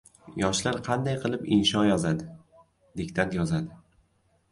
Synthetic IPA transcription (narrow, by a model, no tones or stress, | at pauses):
jɒʃlaɾqʰɑnd̪ajqʰɨlˠɪpɪnʃɒnjɒzad̪ɪ | d̪ekʲt̪ʰant̪jɒzad̪ɪ